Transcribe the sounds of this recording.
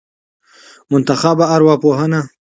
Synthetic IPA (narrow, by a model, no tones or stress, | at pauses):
mʊnt̪ɐxabaaɾwɑːpoːɦɐna